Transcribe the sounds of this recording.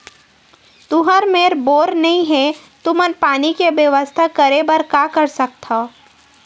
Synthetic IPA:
t̪ʊɦəɾmeːɾboːɾnɐɦĩɦɛ | t̪ʊmənpaːnikeʋjəʋəst̪ʰakəɾebəɾkaːkəɾsɐk̚t̪ao

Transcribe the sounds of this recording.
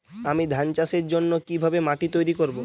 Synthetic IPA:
amid̪ʱant͡ɕaʃeɾd͡ʑonːokibʱabemaʈit̪ojɾikoɾbo

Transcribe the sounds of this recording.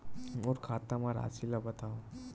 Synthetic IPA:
oɾkʰaːt̪amaɾa̰ːsilabɐt̪aːũ

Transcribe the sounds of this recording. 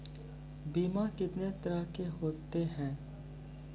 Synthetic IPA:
biːmakɪt̪net̪əɾakeɦoːt̪eɦɛ̃ː

